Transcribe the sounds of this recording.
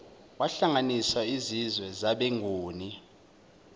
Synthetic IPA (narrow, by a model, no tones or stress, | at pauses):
waɬaŋaniswaizizwɛzaɓeŋʱuːni